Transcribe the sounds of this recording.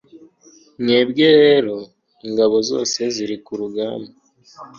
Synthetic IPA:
ne̞ːbɟeɾe̞ːɾo̞ | iŋɡaβo̞zo̞̰ːse̞ziɾikuɾuɡaːmba

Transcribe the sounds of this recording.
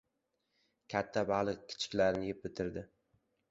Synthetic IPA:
kʲʰat̪ʰːabalˠɨq̚kʲʰɪ̥t͡ʃʰɪ̥kʲlaɾnɪjep̚bɪt̪ʰɪɾd̪ɪ

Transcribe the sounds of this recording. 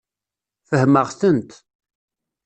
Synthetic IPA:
fəhməʁθənt̪

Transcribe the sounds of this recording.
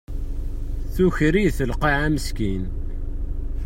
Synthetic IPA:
θuçɾiθəlqiʕæməskin

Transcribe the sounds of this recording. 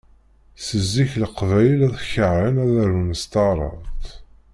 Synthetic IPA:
səzːiçləqvæjlæðçəʕənæðæɾunəst̪ɑɾˤə̰ðt̪

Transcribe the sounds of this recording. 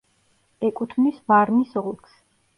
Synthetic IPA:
ɛkʼut̪ʰmisvaɾmisɔlˠkʰs

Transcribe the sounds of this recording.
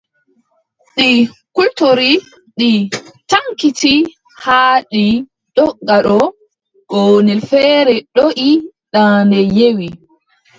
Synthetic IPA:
ɗikultoɾi | ɗitaŋkiti | haːɗi | ɗɔɡaɗɔ | ɡɔnɛlfɛːɾɛɗoʔi | ɗandɛjewi

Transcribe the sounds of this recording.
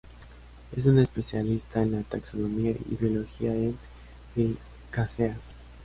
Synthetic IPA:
e̞̰s̬une̞spe̞sjalist̪aenlat̪akso̞no̞miaḭβjo̞lo̞xiaen | ðe | kaseas

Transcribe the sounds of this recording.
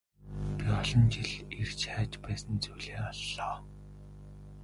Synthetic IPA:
pʲiɔɮɞ̆nt͡ɕiɮert͡ɕʰæːt͡ɕpæːsə̆nt͡sujɮeːɔɮːɔː

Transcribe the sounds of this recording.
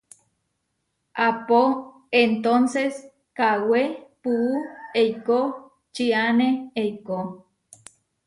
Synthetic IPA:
apo | ent̪onses | kawepuueijko | t͡ʃianeeiko

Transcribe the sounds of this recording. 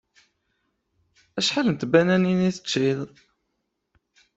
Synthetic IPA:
æʃħalənt̪bænæniniθə̥t͡ʃːið

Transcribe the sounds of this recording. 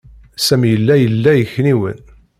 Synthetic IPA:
sæmjəlːæjəlːæjəçniwə̰n

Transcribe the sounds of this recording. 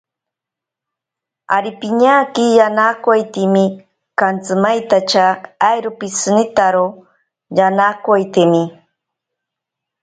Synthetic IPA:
a̰ɾipiɲakɪjanakwajt̪ɪmɪ | kant͡sɨmajt̪at͡ʃaːjɾʊpisnɪt̪aɾo | janakajt̪imɪ

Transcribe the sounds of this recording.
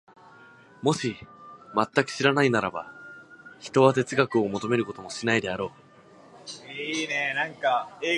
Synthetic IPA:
mo̞ɕimat̪ːakɯ̟̥ɕiɾanainaɾaba | çi̥t̪o̞βat̪e̞t͡sɨɡakɯ̟o̞mo̞t̪o̞me̞ɾɯ̟ko̞t̪o̞mo̞ɕinaid̪e̞aɾo̞ː | inenãŋkaeː

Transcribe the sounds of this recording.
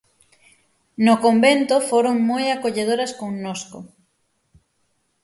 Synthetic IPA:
nokombent̪ofoɾoŋmojakoʎeð̞oɾaskoŋnosko̰

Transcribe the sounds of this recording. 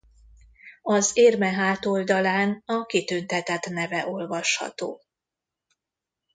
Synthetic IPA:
ɒzeːrmɛɦaːt̪o̞ld̪ɒlaːnɒkit̪ynt̪ɛt̪ɛt̪nɛvɛʔo̞lvɒʃhɒ̰t̪o̰ː

